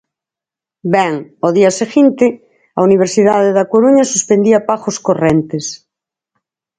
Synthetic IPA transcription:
bɛŋoðiaseɣint̪e | auniβ̞eɾsiðaðeðakoɾuɲasuspend̪iapaxoskorent̪es

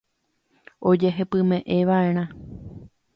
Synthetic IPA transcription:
o̞d͡ʒe̞ɦe̞pɨ̃mẽ̞ʔeʋae̞ɾ̃ã

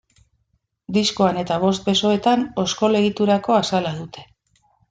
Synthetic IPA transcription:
d̪isko̞ane̞t̪aβ̞o̞st̪̚be̞so̞e̞t̪ano̞sko̞le̞ɣ̞it̪uɾako̞asalað̞ut̪e̞̥

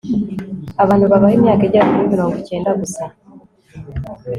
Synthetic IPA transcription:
aβaːn̥huβaβahemɲaːkaeɟaβiiɾimiɾoːŋɡoce̞ːndaɡusa

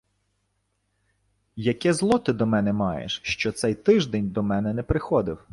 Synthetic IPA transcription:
jɐkʲɛzlˠɔt̪ɪd̪ɔmɛnɛmɑjḛʃʃt͡ʃɔt̪sɛjt̪ɪʒd̪ɛnʲd̪ɔmɛnɛnɛpɾɪxɔd̪ɪw

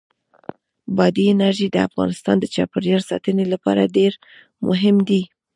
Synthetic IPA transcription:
bɑd̪iɪnaɾʒid̪əa̰fɣɑ̰nɪst̪ɑnd̪ət͡ʃɑpəɾjɑɾsɑt̪ənelapɑ̰ɾaɖeɾ | mʊ̰ɦɪmd̪i

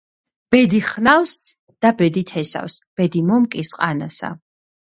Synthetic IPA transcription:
b̥ɛd̪iχnaws | d̪̥abɛd̪it̪ʰɛsa̰fsb̥ɛd̪imɔmkʼisqʼanasa̰

